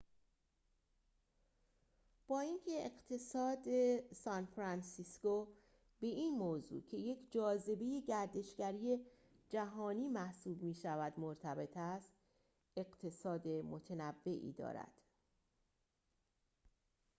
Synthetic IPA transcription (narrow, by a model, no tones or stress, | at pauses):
b̥ɒːincʰe̞ːɢt̪ʰe̞sɒːd̪esɒnfɾænsisko | be̞iːnmoːzṵcʰe̞je̞cʰd͡ʒɒːze̞be̞je̞ɟæɾd̪e̞ʃɡæɾije̞ | d͡ʒæɦɒːniːmæhsuːbmiːʃævæd̪moɾt̪ʰæbe̞t̪ʰæst̪ | e̞ɢt̪ʰe̞sɒːd̪e̞mo̞t̪ʰenævːe̞ʔḭːd̪ɒ̰ːɾæ̰d̪̥